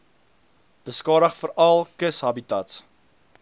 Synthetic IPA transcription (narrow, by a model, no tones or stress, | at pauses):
b̥əskɑːɾəχfəɾɐlˠkəsɦɐbitɐts